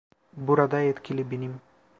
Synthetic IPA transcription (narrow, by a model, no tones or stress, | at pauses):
buɾɑd̪ɑet̪kʲilʲibinim